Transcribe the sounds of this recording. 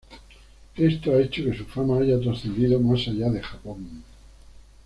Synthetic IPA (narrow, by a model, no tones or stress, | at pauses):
e̞st̪oaet͡ʃoke̞sufamaaʝat̪̬ɾaθend̪iðomasaʝaðexapoŋ